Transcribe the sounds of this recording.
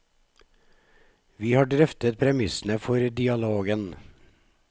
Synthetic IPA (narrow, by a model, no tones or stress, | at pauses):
ʋiːhɑːɖɾœft̪ət̪̚pʰɾɛmɪsn̩əfɔɾd̪ɪɑloːɡən